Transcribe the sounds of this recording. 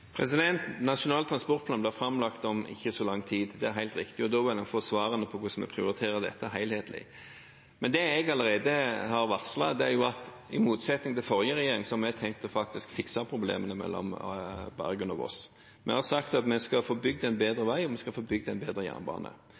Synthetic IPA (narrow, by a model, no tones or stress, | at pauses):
pʰɾɛsɪd̪ɛnt̪nɑʂʊnɑːlt̪ɾʁɑnspɔɾt̪̚plɑːnblɪʁfɾɑmlɑkt̪ɔmɪ̰çːəsɔlɑŋːt̪ʰiːd̪d̪ɛæɾɦæɪlt̪ɾɪkt̪ɪɔd̪ɔʋɪlɛnfoːsʋɑːɾənəpʰɔkʊsɔmɛ̰pʰɾɪʊɾɪt̪ʰeːɾəd̪ɛ̰t̪ːəæɦæɪlheːt̪lɪ̰ | mɛnd̪ɛɛɡɑləɾeɪd̪əhɑɾʋɑʁslɑd̪ɛæɾjʊɑt̪ | ɪmuːt̪sɛt̪nɪŋt̪ʰɪlfɔɾjəɾɛjeːɾɪŋsɔɑmɛt̪ʰɛŋkt̪ɔfɑk̚t̪ɪskfɪksɑpʰɾʊblḛːmənəmɛ̰lːɔ̰mbæ̰ɾɡənɑ̰ʋɔ̰s | mʔɛ̰hɑsɑkt̪ɑt̪mɛskɑfoːbʏɡ̚d̪æɪnbeːd̪ɾəʋæɪɔmɛskɑfoːbʏɡd̪ɛɪnbeːd̪ɾəjæ̰ːʁnbɑ̰ːnə̰